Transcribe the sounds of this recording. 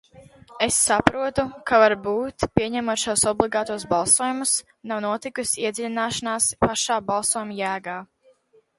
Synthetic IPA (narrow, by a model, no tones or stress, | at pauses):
esːapɾuɔt̪ukavaɾbuːt̪pʲiɛɲæmuɔt̪ʃawsɔblˠiɡaːt̪uɔsbalˠsuɔjumus | nawnuɔt̪ikusʲiɛd̪zʲlʲinaːʃanaːspaʃaːbalˠsuɔjumjæːɡaː